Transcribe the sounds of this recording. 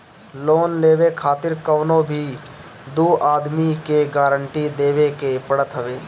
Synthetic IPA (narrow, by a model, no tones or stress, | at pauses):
loːnleːʋekʰaːt̪ɪɾkəʋnõbʱi | d̪uːʔaːd̪mikeɡaːɾəɳʈid̪eːʋekepəɽət̪ɦɐʋeː